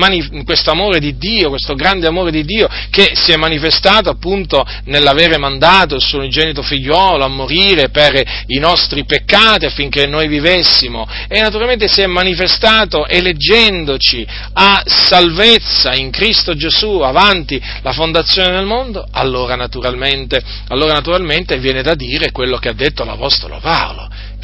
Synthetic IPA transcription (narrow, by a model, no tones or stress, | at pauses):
mani | kwest̪oamoːɾed̪id̪ːiːokwest̪oɡɾand̪eamoːɾed̪id̪ːiːo | kesiɛmːanifest̪aːt̪oapːunt̪o | nelːaveːɾemand̪aːt̪oilsuːoind͡ʒɛnit̪ofiʎːwɔːloamːoɾiːɾeperinɔst̪ɾipekːaːt̪iafːiŋkenːojvivesːimo | enːat̪uɾalmẽnt̪esiɛmːanifest̪aːt̪oʔeled͡ʒːɛnd̪ot͡ʃi | asalvet̪sːaiŋkɾist̪od͡ʒezuavant̪i | lafond̪at̪sːjoːnenelmond̪oa̰lːoːɾanat̪uɾalment̪e | alːoːɾanat̪uɾalment̪evjɛːned̪ad̪ːiːɾekwelːokead̪ːet̪ːola̰pɔst̪o̰lo̰pao̰lo̰